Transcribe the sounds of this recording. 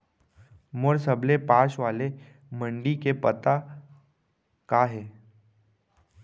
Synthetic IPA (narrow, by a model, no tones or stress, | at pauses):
mʊɾsəblepaːʃʋaːle | mə̃ɳɖikepɐt̪a | kaːɦɛː